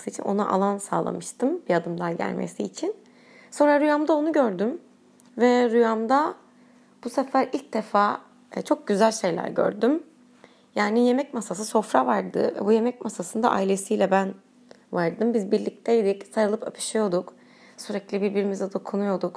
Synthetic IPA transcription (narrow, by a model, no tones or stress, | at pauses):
sɯit͡ʃʰḭnʔonaʔa̰lˠansa̰ːlˠa̰mɯʃt̪ʰɯmb̥iad̪ɯmd̪anɟæ̰lʲmḛsiːt͡ʃʰin | so̞nɾaɾujamd̪ao̞nuɟø̞ɾd̪ym | vɛɾujamd̪a | b̥usefæɾilʲc̚d̪e̞faː | t͡ʃʰo̞k̚ɟyzælʲʃe̞jlʲæ̰ɾɟø̰ɾd̪ym | jaːnije̞mɛcmasasɯso̞fɾavaɾd̪ɯ̰vɛ̰buje̞mɛcmasasɯnd̪a̰ʔailʲe̞sijlʲɛbæn | vaɾd̪ɯmbizbiɾlʲic̚t̪ʰejd̪icsaɾɯlˠɯpʰapʰɯ̥ʃijo̞d̪uk | syɾɛclʲibiɾbiɾimizɛd̪o̞kʰunujo̞d̪uk